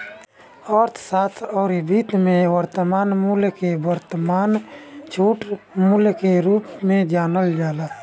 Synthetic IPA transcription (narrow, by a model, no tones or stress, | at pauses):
ɔːɾt̪ʰsaːt̪ʰɔːɾibiːt̪mẽwəɾt̪əmaːnmulkewəɾt̪əmaːnt͡ʃʰuːʈmulkeɾuːpmẽd͡ʒaːnəld͡ʒaːlaː